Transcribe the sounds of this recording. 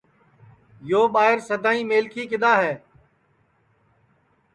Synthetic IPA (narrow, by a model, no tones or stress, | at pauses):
joːɓaːɦɪɾsəd̪ʱaːĩːmeːlkʰiːkɪd̪aːɦɛː